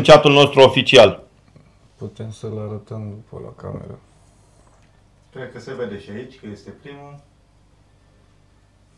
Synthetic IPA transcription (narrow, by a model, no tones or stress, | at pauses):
t͡ʃat̪ulno̞st̪ɾuofit͡ʃial | put̪e̞msəlaɾət̪əmd̪upʰə̰la̰ka̰mḛɾə | sperkəse̞ved̪e̞ʃiait͡ʃʲkəje̞st̪e̞pɾimul